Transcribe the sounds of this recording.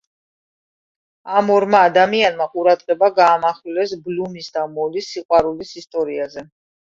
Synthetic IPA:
amɔɾmaːd̪amianmaqʼuɾad̪ʁɛbaɡaːmaχlɛsblumisd̪amɔlisːiqʼwaɾulisist̪ʼɔɾiazɛ

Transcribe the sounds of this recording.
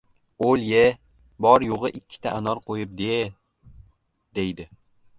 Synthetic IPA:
olje | bɒɾjoʁɨʔɪkʲʰːɪ̥t̪ʰaʔanɒɾqʰojɪp̚d̪e | d̪ejd̪ɪ

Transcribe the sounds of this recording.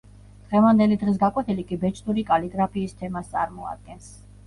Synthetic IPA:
d̪̥ʁɛvand̪ɛlid̪ʁis̬ɡakʼwɛt̪ʰilikʼibɛt͡ʃʰʼd̪uɾikʼaliɡɾapʰiːst̪ʰɛmast̪sʼa̰ɾmɔa̰d̪̚ɡɛns

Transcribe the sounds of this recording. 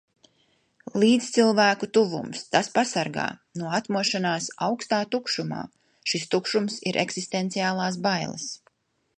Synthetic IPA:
lˠiːt̪st̪silˠvæːkut̪uvṵmst̪aspasaɾɡa̰ːnuɔat̪muɔʃanaːsawkst̪aːt̪ukʃuma̰ː | ʃist̪ukʃumsiɾʔɛ̰ksist̪ent̪sijaːlˠaːsbajlˠɐ̰s

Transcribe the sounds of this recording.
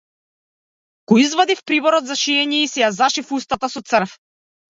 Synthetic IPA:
kɔizvad̪ifpɾibɔɾɔd̪zaʃiɛɲɛisɛjazaʃifust̪at̪asɔt̪sr̩f

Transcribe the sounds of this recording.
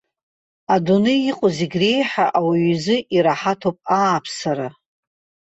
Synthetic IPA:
adunɨiqʼʊziɡʲre̞jħaʔawiɥzɨʔiɾaħatʰowpʼaːpʰsaɾa

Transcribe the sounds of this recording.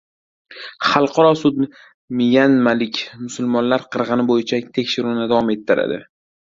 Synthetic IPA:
χɑlˠqʰɑɾɒsʊd̪ɪ | mɪjanmalɪkʲʰmʊsʊlmɒnlaɾqʰɨɾʁɨnɪbojɪt͡ʃʰat̪ʰekʲʃɪɾunɪd̪avɒme̞t̪ʰːɪɾa̰d̪ɪ̰

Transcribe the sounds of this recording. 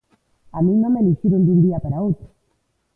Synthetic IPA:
amĩnnõmeliʃiɾend̪und̪iapaɾaowt̪ɾʊ

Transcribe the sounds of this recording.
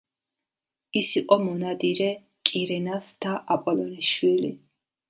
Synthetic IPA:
isiqʼɔmɔnad̪iɾɛ | kʼiɾɛnasd̪̥aʔapʼɔlɔniʃwili

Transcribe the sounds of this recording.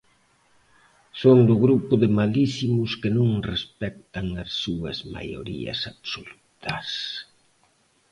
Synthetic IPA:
sond̪ʊɣɾupʊðɪmalisimʊskɪnũŋrespɛk̚t̪aŋasːuɐ̰zma̰jo̰ɾḭɐ̰saβsolut̪ɐs

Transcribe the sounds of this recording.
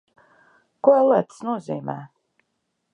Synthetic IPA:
kuɔɛlˠit̪snuɔziːmæː

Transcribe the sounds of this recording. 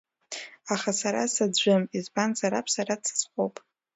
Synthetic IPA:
aχasaɾa̰sad͡ʒʷɨmizbanzaɾapʰsaɾat͡sʰsχʷowpʼ

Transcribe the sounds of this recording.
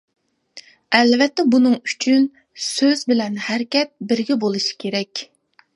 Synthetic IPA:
ɛlvɛt̪ːɛbunɨŋyt͡ʃʰyn | søzbɪlɛnhæɾkʲɛt̪̚bɪɾɡʲɛbolˠɨʃi̥kʲʰeɾɛkʲ

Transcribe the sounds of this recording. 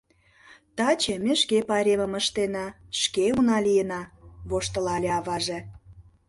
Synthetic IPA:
t̪ɑt͡ɕemʲeʃkepɑɾʲemə̆mə̆ʃt̪enɑʃkeunɑlijənɑβoʃt̪ə̆lɑlʲeɑβɑʒĕ

